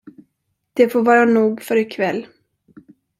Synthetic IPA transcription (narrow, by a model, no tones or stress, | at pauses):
d̪̥ɛfoːɾvɑːɾanuːɡfœɾɪkʰvɛlː